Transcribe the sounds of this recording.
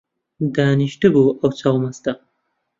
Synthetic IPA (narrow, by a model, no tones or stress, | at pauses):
d̪aniʃʈɨboawt͡sawmast̪a